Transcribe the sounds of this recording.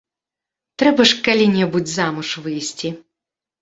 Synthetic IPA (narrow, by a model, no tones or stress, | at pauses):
t̪ɾɛbɐʂkalʲinʲɛbut͡sʲzamuʂvɨjsʲt͡sʲi